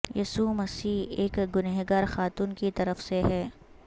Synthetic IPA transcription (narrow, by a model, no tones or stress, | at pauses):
jɐsumɐsiːeːkɡʊnɛɦɡaːɾxaːt̪uːnkit̪ɐɾəfseɦɛː